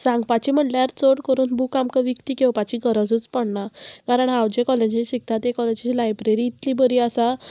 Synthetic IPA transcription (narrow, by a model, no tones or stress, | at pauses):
sãŋɡpat͡ɕim̤əʈljaɾt͡soɽkəɾuːnbukamkəʋikt̪iːkewpat͡ɕiɡʱəɾəd͡zuːt͡spəɽɳakaɾəɳɦawd͡ʑekɔled͡ʑiɕik̚t̪ʰat̪ekɔled͡ʑt͡ɕilajbɾeɾiːt̪libəɾiːasa